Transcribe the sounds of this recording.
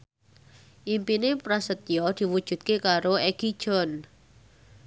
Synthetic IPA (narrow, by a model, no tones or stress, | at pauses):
ʔimpinepɾasət̪̚jɔd̪̥i̤wud̥ʒ̥ṳt̪̚kekaɾoɛɡ̥id̥ʒ̥ɔn